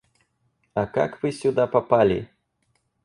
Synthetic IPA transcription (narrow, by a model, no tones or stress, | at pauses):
ɐka̰kvɨsʲʊd̪apapalʲḭ